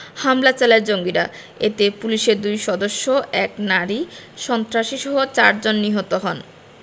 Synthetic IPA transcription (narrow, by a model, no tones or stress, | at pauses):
hamlat͡ɕalaɾd͡ʑoŋɡiɾa̰ | et̪epuliʃeɾd̪ujʃɔd̪oʃːoɛknaɾiʃɔnt̪ɾaʃiʃɔɦot͡ɕaɾd͡ʑonːiɦot̪oɦɔn